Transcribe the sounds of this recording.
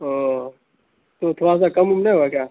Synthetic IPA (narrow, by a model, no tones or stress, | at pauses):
o | t̪oːt̪ʰoːaːs̬aːkəmumneːʋakaː